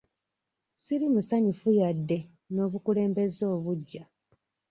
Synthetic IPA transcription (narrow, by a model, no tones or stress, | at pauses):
siɾimusaɲifujadːe̞ | no̞ːβukule̞ːmbe̞zo̞ːβuɟːa